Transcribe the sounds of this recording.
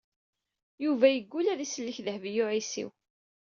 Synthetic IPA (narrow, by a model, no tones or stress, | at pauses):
juvæjəɡʷːulæðisəlːiçðəhvjʊʕisḭw